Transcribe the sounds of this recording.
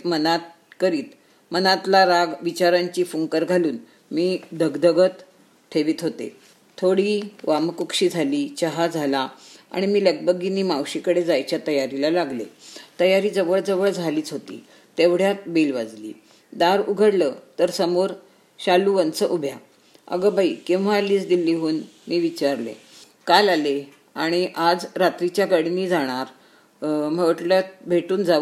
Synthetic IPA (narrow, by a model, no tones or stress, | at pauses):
mənat̪̚ | kəɾiːt̪ | mənãt̪laɾaɡʋit͡ɕaɾaɲt͡ɕiːfuŋkəɾɡʱaluːn | miːd̪əɡd̪əɡət̪ | ʈʰeʋiːt̪ɦot̪ḛ | t̪ʰoɽiːʋamkukɕiːd͡zʱaliːt͡ɕəɦad͡zʱalaa̰ɽ̃imiːləɡbəɡiniːmawɕiːkəɽed͡zajt͡ɕjat̪əjaɾilalaɡlḛt̪əjaɾiːd͡zəʋəɭd͡zəʋəɭd͡zʱaliːt͡sɦot̪ḭː | t̪eʋɽ̤jatbilʋad͡zlḭː | d̪aɾuɡʱəɽlət̪əɾsəmoɾ | ɕaluʋənt͡səʔubʱja | ə̰ɡəbaikĩw̃ʋ̤aːliːt͡sd̪ilːiːɦuːnmiːʋit͡ɕaɾlḛ | kalale | aɽ̃iʔad͡zɾat̪ɾit͡ɕjaɡaɽiniːd͡zaɽ̃aɾ | m̤əʋʈləbʱeʈuːnd͡zaʋ